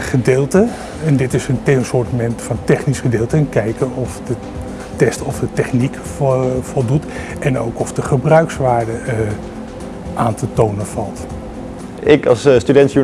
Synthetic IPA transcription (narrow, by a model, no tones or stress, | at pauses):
χədɪːlˠtə | ɛndɪtɪsəntɛnsʊːɹtmɛntfɑntɛχnisχədɪːlˠtəɛnkɛjkənɔfdə | tɛstɔfdətɛχnik | fɔlˠdut | ɛno̰wkɔfdəχəbrœɥksʋaːɹdə | ʔaːntətownəvɑlˠt | ɪkɑ̰sstydɛntjy